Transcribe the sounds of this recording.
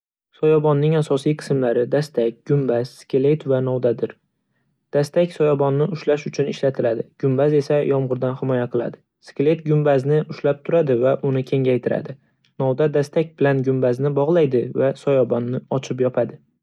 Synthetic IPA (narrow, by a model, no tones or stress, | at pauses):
sɒjɒbɒnːɪŋasɒsijqʰɨ̥smlaɾɪd̪ast̪ak̚ʲɡ̥ʊmbaz̥skʲʰɪle̞t̪vanɒwd̪ad̪ɪɾ | d̪̥ast̪akʲsɒjɒbɒnːɪʊʃlaʃʊt͡ʃʰʊnɪʃlat̪ʰɪlad̪ɪɡ̥ʊmbaze̞sajɒmʁʊɾd̪anhɪmɒjaqʰɨlˠa̰d̪ɪ | skʲlet̪ɡʲʊmbaznɪʊʃlap̚t̪ʰʊɾad̪ɪvaʔʊnɪkʲʰe̞ŋʲajt̪ʰɪɾa̰d̪ɪ | nɒwd̪ad̪ast̪ak̚ʲbɪlanɡʊmbaznɪbɒʁlˠajd̪ɪvasɒjɒbɒnːɪɒt͡ʃʰɪpjɒpʰad̪ɪ